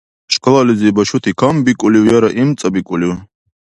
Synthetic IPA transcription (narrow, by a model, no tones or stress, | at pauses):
ɕkɐlalizibɐɕut̪ʰikʰɐmbikʼuliwjɐɾɐʔimt͡sʼɐbikʼuliw